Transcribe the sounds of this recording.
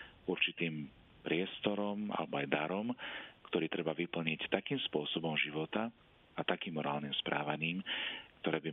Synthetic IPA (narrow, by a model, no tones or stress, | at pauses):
uɾt͡ʃit̪iːm | pɾɪɛst̪ɔɾɔma̰lɛbɔajd̪aɾɔmkt̪ɔɾiːt̪ɾɛbaʋipl̩ɲict̪akiːmspʊɔsɔbɔmʒiʋɔt̪a | at̪akiːmːɔɾaːlnimspɾʔaːʋaɲiːmkt̪ɔɾɛːbi